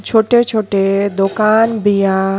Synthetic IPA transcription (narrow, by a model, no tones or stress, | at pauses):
t͡ɕʰoʈet͡ɕʰoʈed̪okanbija